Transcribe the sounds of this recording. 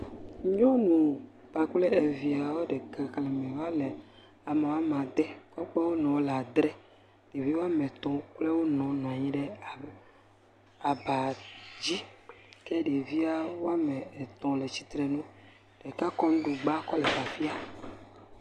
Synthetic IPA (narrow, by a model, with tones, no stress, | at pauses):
ɲõ˦nũ˨ | b̥a˨k͡plɛ˦e˨vi˨a˨wo˦ɖɛ˨ka˦klɛ˨mɛ̃˨wa˦le˨ | a˨me˨wo˦a˦mã˨d̪ɛ˦kɔ˦k͡pɛ˦wo˦nɔ̃˨wla˨d̪ɾɛ˦ | ɖe˨vi˦wo˦a˦me˨t̪ɔ̃˨k͡plɛ˦wo˦nɔ̃˨n˨ã˨ɲĩ˦ɖɛ˦˨ | a˨ba˨d͡ʑi˦kɛ˦ɖe˨vi˦a˦wo˦a˦mɛ̃˨e˨t̪ɔ̃˨le˨t͡ɕi̥˦t̪ɾɛ˨nũ˦ | ɖ̥e˨ka˦kɔ˦nũ˦ɖu˨ɡ͡ba˦kɔ˦lɛ˨va˨fi˦a˨